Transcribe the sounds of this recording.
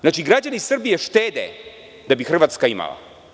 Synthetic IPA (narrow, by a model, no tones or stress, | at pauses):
znaːt͡ʃiɡɾad͡ʑanisr̩bijeʃt̪eːd̪ḛ | d̪abixr̩ʋaːt̪skaima̰la̰